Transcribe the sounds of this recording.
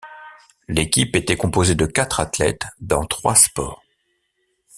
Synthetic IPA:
lekʲipet̪ɛkɔ̃pozed̪əkat̪χat̪lɛ̰t̪d̪ɑ̃t̪χwaspɔ̰ːʁ

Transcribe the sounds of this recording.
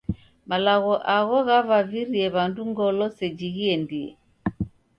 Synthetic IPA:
malaɣɔʔaɣɔɣavaviɾiɛβanduŋɡɔlɔsɛd͡ʒiɣiɛndiɛ̰

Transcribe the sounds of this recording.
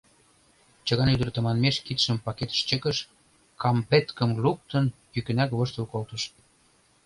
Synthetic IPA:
t͡ɕə̆ɣɑnyd̪ə̆rt̪ə̆mɑnmeʃkit̪ʃəmpɑket̪ə̥ʃt͡ɕəkəʃ | kɑmpet̪kə̆mluk̚t̪ənpykə̆nækβoʃt̪əlkolt̪əʃ

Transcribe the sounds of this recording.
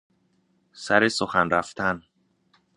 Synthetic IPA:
sæɾesoxænɾæft̪ʰæn

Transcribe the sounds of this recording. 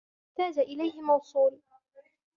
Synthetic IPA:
t̪aːd͡ʒaʔɪlajhɪmɑwsˤuːl

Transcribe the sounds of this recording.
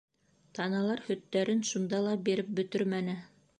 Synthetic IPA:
t̪ɑnɑlˠɑɾhɵ̆t̪ːæɾɘnʃund̪ɑlˠɑbiɾɘp̚bɵ̆t̪ɵɾmænɘ

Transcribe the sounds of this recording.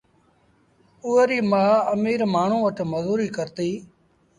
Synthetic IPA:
uːəɾiːmaːəmiːɾmaːɳ̤ũːʋəʈməzuːɾiːkəɾt̪iː

